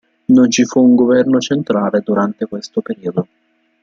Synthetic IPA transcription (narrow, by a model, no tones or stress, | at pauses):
nont͡ʃifuːŋɡovɛrnot͡ʃent̪ɾaːled̪uɾant̪ekwest̪opeɾiːod̪o